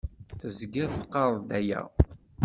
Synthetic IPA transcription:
θəzɡæθə̥qːɑɾˤðˤd̪æjæ̰

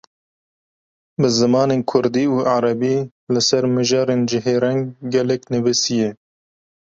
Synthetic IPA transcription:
bɨzɨmɑːneːnkʰʊɾd̪iːuːʔaɾɛbiː | lɨsɛɾmɨʒɑːɾeːnd͡ʒɪɦeːɾɛŋɡːɛlɛknɨvɨsijɛ

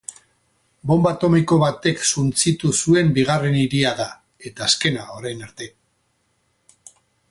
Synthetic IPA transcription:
bo̞mbat̪o̞miko̞βat̪e̞ksunt͡sit̪usue̞mbiɣ̞are̞niɾiaða | e̞t̪aːske̞naoɾajnaɾt̪e̞

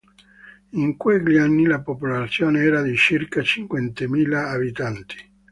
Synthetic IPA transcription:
iŋkweʎːianːilapopolat̪sːjoːneɛːɾad̪it͡ʃirkat͡ʃiŋkwɛnt̪emiːlaːbit̪ant̪i̥

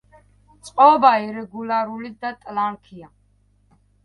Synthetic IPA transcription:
t͡sʼqʼɔːbaiɾɛɡulaɾulid̪at̪ʼlankʰia

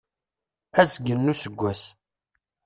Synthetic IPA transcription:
æzɡənːusəɡʷːæs

